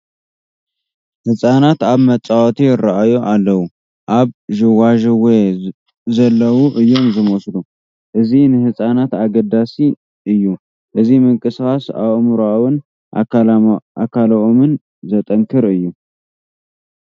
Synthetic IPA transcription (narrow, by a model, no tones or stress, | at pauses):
hɨsʼanat̪aβmɐt͡sʼːawot̪ʰijɪɾaʔajoʔalːɐwu | ʔaβʒɨwaʒwe | zɐlːɐwuʔɨjːo̞mzɨmoslu | ʔɨzinɨhɨsʼanat̪aɡɐd̪asi | ʔɨjːu | ʔɨzimɨŋkʼɨskʼasa̰βmɾawɨn | ʔa̰ | akʰalɐʔomɨn | zɐt̪ʼɐŋkʰɨɾɨjːu